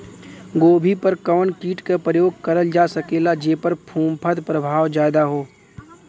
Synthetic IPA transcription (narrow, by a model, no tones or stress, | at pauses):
ɡoːbʱipɐɾkəʋənkiːʈkapɾəjoːɡ̚kɐɾəld͡ʒaːsɐkeːlad͡ʒeːpəɾpʰũːmpʰəd̪pɾəbʱaːʋd͡ʒaːd̪aɦoː